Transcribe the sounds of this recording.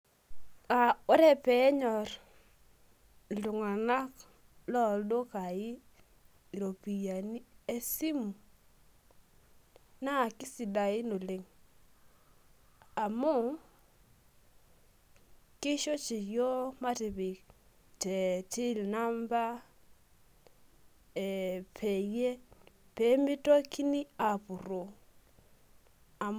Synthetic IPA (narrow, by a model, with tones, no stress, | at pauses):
a˨o˦ɾɛ˦pɛ˨˦ɲɔ˨ɾ | lu˨ŋa˨na˦k | lɔ˦˨ldo˦ka˨ɪ˦˨ | ɾo˨pi˨ja˨ni˦e˦si˦mu˨ | na˦˨kɪ˦si˨da˨ɪ˦no˨lɪ˨ŋ | a˨mo˦˨ | kɪ˦ʃɔ˦t͡ʃi˨jɔ˦ma˦te˨βe˨ | tɛ˨tʰi˦lna˦mba˦ | ɛpʰɛ˨jɛ˦pɛ˦mi˦tɔ˦kʰi˦ni˦a˨pu˨ro˨ | a˨m